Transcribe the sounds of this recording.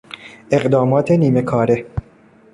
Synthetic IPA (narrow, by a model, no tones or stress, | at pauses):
ʔe̞ɣd̪ɒːmɒːt̪ʰeniːme̞kʰɒːɾe̞